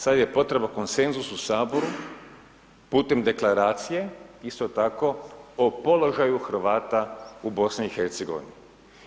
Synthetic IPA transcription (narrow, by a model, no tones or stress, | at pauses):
sad̪je̞po̞t̪ɾe̞bako̞nse̞nzususaːbo̞ɾu | puːt̪e̞md̪e̞klaɾaːt̪sije̞ist̪o̞t̪ako̞opo̞lo̞ʒajuxr̩ʋaːt̪aubo̞sniːxe̞ɾt̪se̞ɡo̞̰ʋḭni